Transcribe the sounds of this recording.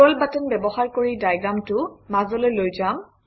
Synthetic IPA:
ɔlbatɔnbɛbɔxaɹkoɹidajɡɹamtʊmazɔlojlojzam

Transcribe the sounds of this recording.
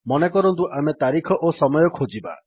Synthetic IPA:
mɔnekɔɾɔnt̪uʔamet̪aɾikʰɔʔosɔmɔjɔkʰod͡ʒiba̰

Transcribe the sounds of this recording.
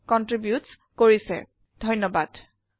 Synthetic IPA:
kɔntɹibjuts | koɹisɛ̰ | dʱɔjnɔbad̥

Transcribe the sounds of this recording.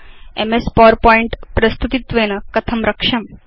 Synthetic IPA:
ḛmespɔɾpɔiɳʈpɾɐst̪ut̪it̪ʋenəkɐt̪ʰɐmɾɐkʂɐm

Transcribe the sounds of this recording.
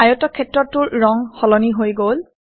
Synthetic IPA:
ajɔtɔkʰːɛtɹɔtːʊɹːɔŋxɔlɔniɦojɡol

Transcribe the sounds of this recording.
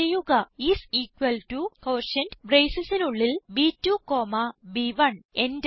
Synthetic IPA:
ejuɣɐisiːkʋɐltukoːrʃɐndbrejsɐsinuɭːilbiːtːukoːmɐbiʋɐɳend

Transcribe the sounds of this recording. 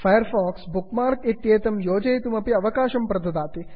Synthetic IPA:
fɐjɐɾfɔːksbukmaːɾt̪it̪jeːt̪ɐmjoːd͡ʒɐjt̪umɐpiɐʋɐkaːʃɐmpɾɐd̪ɐd̪aːt̪i

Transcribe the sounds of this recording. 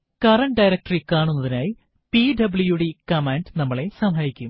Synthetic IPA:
kɐrɐɳɖɐjɾɐk̚ʈrikaːɳunːɐðinaːji | piɖɐblujuɽikɐmeɳɖnɐmːɐɭe̞sɐmɦɐjikʲːum

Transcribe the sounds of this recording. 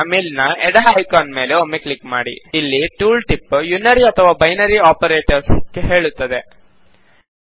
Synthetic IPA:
miːlnɐɛɽɐɦjkaːnme̞ːleomeklikmaːɽḭːlːiʈuːlʈipːjunːɐɾiɐt̪ʰɐʋaːbɐjnɐɾiaːpɐɾeːʈɐɾskeɦe̞ːɭut̪ːɐd̪e

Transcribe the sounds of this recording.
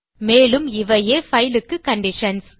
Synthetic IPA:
meːlɯmɪʋɐjeːfɐjlɯkːɯkɐɳɖɪʂɐns

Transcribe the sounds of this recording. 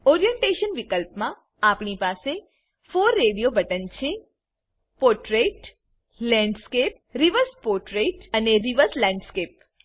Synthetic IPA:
ɔɾijə̃ɳʈeʃənʋikəlpmã | apɳipase | foɾːeɽijobəʈənt͡ʃʰe | poʈɾeʈ | lɛ̃ɳɖskep̚ɾiʋəɾspoɾʈɾeʈəneɾiʋəɾslɛ̃ɳɖskep̚

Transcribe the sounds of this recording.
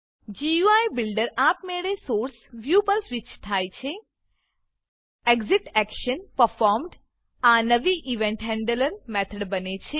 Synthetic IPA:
d͡ʒiuajbɪlɖəɾapmeɭesoːɾsʋjupəɾsʋit͡ʃt̪ʰajt͡ʃʰe | eɡziʈɛkʃənpəɾfɔɾmɖ | anəʋiʔiʋẽɳʈɦɛ̃ɳɖələɾmɛt̪ʰəɖbənet͡ʃʰe

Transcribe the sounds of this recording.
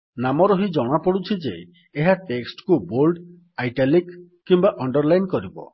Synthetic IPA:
namɔɾɔɦid͡ʒɔɽ̃apɔɽut͡ʃʰid͡ʒḛː | ɦaʈeksʈkubolɖ | ajʈalik | kːimbaʔɔɳɖɔɾlajnkɔɾibɔ̰

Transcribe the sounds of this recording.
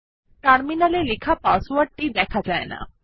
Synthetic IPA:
ʈaɽminalelɪkʰapaːsuəʈid̪ɛːkʰad͡ʒaːḛna̰ː

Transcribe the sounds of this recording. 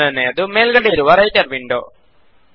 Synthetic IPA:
ɐneːd̪umeːlɡɐɽiːɾuʋɐɾɐjt͡ɕɐɾʋiɳɖo̰ː

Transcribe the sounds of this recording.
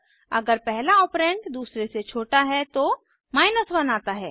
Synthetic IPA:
ɐ̰ɡəɾpɛɦlaɔːpɾẽːɳʈd̪uːsɾeset͡ʃʰoːʈaɦɛt̪o | maːɪnəsbɐnaːt̪aɦɛ̰ː

